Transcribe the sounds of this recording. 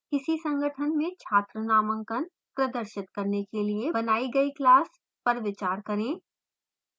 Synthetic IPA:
kɪsisɐ̃ŋɡʱəʈʰənmẽt͡ʃʰaːt̪ɾənaːmə̃ŋkən | pɾɐd̪əɾʃɪt̪̚kɐɾnekeliebɐnaːiɡɐiklaːs | pɐɾʋɪt͡ʃaːɾkɐɾẽː

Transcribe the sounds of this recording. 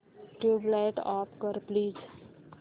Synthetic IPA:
ʈublaɪʈɔːpkəɾpliːd͡ʒ

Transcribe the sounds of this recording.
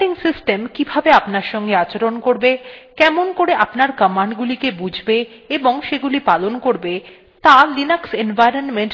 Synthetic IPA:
iŋsisʈemkibʱabeapnaɾʃɔŋɡeat͡ɕeɾonkoɾbekɛmonkoɾeʔapnaɾkəmaɳɖɡulikebud͡ʑʱbe | eboŋʃeɡulipalonkoɾbe | t̪alinaksenvajɾonmeɳʈ

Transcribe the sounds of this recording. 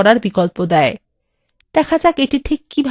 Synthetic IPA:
ɔɾaɾbikolpod̪ɛe | d̪̥ɛkʰad͡ʑakeʈiʈʰikːibʱ

